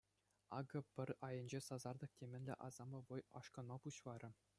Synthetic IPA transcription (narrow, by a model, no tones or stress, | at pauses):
ɑ̰ɡɤ̆pʲɘ̆rʲɑjɤ̆nʲd͡ʑesɑzɑrd̪ɤ̆ktʲemʲɘ̆nʲlʲɘ̰̆ʔɑzɑmɤ̆ʋɤ̆jɑ̰ʂkɤ̆nmɑpuɕʋɑɾʲɤ̆